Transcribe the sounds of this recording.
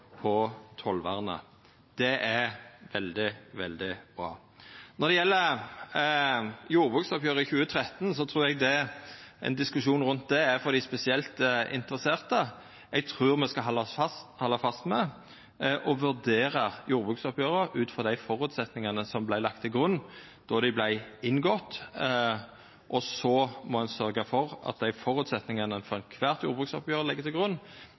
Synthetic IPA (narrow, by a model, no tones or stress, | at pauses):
pʰɔt̪ʰɔlʋɑʁənə̰ | d̪̥ɛʔæʋɛld̪ɪʋɛ̰ld̪ɪb̥ɾɑ̰ː | nɔʁd̪ɛjɛlːə | juːʁbʁʉːksɔpjøːʁəɪçʉːət̪ʰɾɛt̪n̩sɔt̪ʰʁʉːɾɛɡ̚d̪ɛɛ̰nd̪ɪskʉʂuːnʁʉnt̪̚d̪ɛæfɔɾd̪æɪspɛsɪɛlt̪ɪ̰nt̪əʁəseːʁt̪ə | ɛɡ̚t̪ʰʁʉːʁmɛskɑɦɑlːɑfɑst̪hɔlːɑfɑst̪mɛ | ʔɔʋʉʁd̪eːʁəjuːɾbʁʉːksɔpjøːʁəʉːt̪fɔʁd̪æɪfɔʁʉt̪sɛt̪nɪŋənəsɔmblæɪlɑk̚t̪ʰːɪlɡʁʉnː | d̪̥ɔd̪ɪblæɪɪnːɡɔt̪ː | ʔɔsɔmɔhɑnsœɾɡəfɔʁʔɑ̰t̪̚d̪æɪfɔʁʉt̪sɛt̪nɪŋɑnəfɔɾɛnkʰʋæːʁt̪juːɾbʁʉːksɔpjøːʁəlɪɡːəʁt̪ʰɪlɡʁʉnː